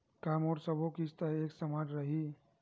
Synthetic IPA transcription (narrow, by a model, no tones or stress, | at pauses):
kaːmɔːɾsəbokist̪aeːksɐmaːd͡ʒɾɐɦi